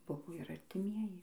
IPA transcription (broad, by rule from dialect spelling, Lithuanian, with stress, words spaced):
ˈbʊʋoː ɪr ɐrʲtʲɪˈmʲiɛjɪ